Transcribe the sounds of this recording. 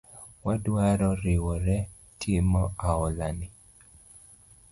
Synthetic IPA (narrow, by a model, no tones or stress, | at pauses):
wadwaɾɔɾɪwɔɾɛ | tʰɪmɔʔaɔlanɪ